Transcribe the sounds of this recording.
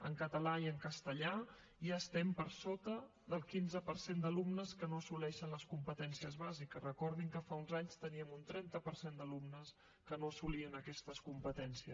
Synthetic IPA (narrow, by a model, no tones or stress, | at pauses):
ə̰ŋkət̪əlaiəŋkəst̪əʎa | iaəst̪ɛmpəɾsot̪ə | ðəlˠkinzəpəɾsend̪əlumnəskənosulɛʃənləskumpət̪ɛnsiəzβazikərəkɔɾðiŋkəfaunzaɲst̪əniəmunt̪ɾɛnt̪əpəɾsend̪əlumnəs | kənosuliənəkɛst̪əskumpət̪ɛnsiə